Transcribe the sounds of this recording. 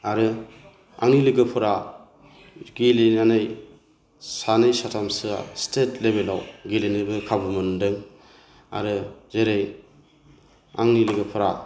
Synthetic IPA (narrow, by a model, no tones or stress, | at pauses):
aɾɯ | a̰ŋniliɡɯpʰɯɾa | ɡilinanɯj | sanɯjsatʰamsɯa̰stʰetlebelawɡilinɯbɯkʰabɯmɯndɯŋ | a̰ɾɯzeɾej | a̰ŋniliɡɯpʰɯɾa